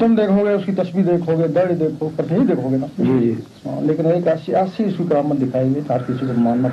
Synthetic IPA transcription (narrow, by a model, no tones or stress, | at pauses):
t̪ːəmd̪eːkʰoɡeʊskit̪ɐsbid̪eːkʰɦoɡed̪ɐɽid̪eːkʰopɐɾneid̪eːkʰoɡenad͡ʒi | ã̰leːkɪneːkasiasiɪsikɾaːmːənd̪ɪkʰaːeɡet̪ɦɐɾkɪsikomaːnma